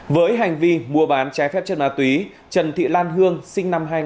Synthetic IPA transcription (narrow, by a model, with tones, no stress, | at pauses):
vəː˨˦jɦa˨˩jŋ̟vi˧mu˧˩əɓaː˨˦nt͡ɕa˨˦fɛ˦˥p̚t͡ɕə˧˩nmaː˧˩t̪wi˨˦ | t͡ɕə˨˩nt̪ʰḭ˧˨laː˧nɦɨ˧əŋsï˧ŋ̟na˧mɦaː˧j